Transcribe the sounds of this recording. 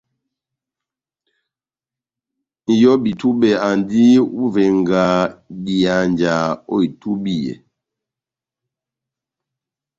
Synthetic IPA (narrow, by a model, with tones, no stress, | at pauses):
n̩˨jɔ˦bi˨tu˦bɛ˨a˨ndi˦u˦vɛ˨ŋɡa˨bi˨a˨nd͡ʒa˨o̰˦i˨tu˦bi˦˨jɛ̰˨